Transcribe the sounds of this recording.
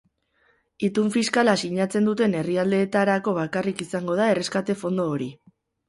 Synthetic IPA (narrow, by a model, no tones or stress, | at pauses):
it̪uɱfiskalasiɲat͡se̞nd̪ut̪e̞ne̞riald̪e̞ːt̪aɾako̞βakarikisaŋɡo̞ð̞ae̞re̞skat̪e̞fo̞nd̪o̞ːɾi